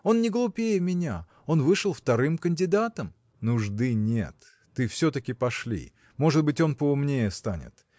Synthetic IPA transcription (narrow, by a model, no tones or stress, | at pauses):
o̞nnʲɪɡlˠʊpʲejəmʲɪnʲa̰ | o̞nvɨʂəlˠft̪ɐɾɨmkənʲdʲɪd̪at̪əm | nʊʐd̪ɨnʲḛt̪ː | ɨfsʲɵt̪əkʲɪpɐʂlʲḭ | mo̞ʐɨd̪̚bɨtʲo̞npəʊmnʲejəst̪anʲɪ̰t̪